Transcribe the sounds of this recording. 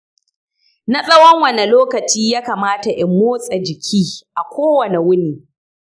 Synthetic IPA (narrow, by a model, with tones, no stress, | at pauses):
na˦sʼɐ˦wɐ˦ŋwɐ˨ne˨loː˦kɐ˨t͡ʃiː˦jaː˦kaː˨maː˦ta˨ʔɪ˨mːoː˦sʼa˨d͡ʒɪ˨kʲʰiː˦ʔa˨kʷʰoː˦wɐ˨ne˨wʊ˦niː˨